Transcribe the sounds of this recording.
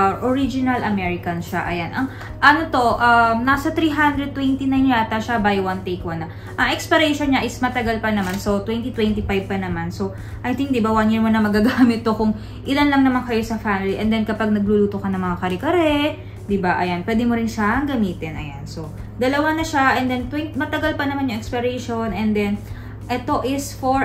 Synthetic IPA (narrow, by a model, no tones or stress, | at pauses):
ʔoɹid͡ʒɪnɐlʔɐmɛɹɪkɐnʃaʔɐjanʔɐŋ | ʔɐnot̪o̞ʔɐmnasɐt̪ɾiːɦand̪ɾɛd̪̚t̪wɛnt̪inajnjat̪ɐʃabajwɐnt̪ejkwɐnːɐ | ʔɐŋʔɛkspɐɾɛjʃonɲaʔɪsmɐt̪ɐɡalpɐnɐmanso̞t̪wɛnt̪it̪wɛnt̪ifajb̚pɐnɐmanso̞ | ʔɐjt̪ɪ̃ŋk̚d̪ɪbawanjiɹmonɐmɐɡaɡamɪt̪̚ːo̞kʊŋ | ʔɪlanlɐŋnɐmankɐjo̞sɐfamɪliʔɛ̰nd̪ɛnkɐpaɡ̚nɐɡ̚luːluːt̪okɐnɐŋmɐŋakɐɾɛkɐɾɛ | d̪ɪbaʔɐjanpwɛːd̪ɛmoɾɪnʃaʔɐŋɡɐmiːt̪ɪnɐ̰janso̞ | d̪ɐlɐwanɐʃaʔɛnd̪ɛnt̪wɛnt̪mɐt̪ɐɡalpɐnɐmanjʊŋʔɛkspɐɾɛjʃonɛnd̪ɛn | ʔɛt̪o̞ʔɪsfoɹ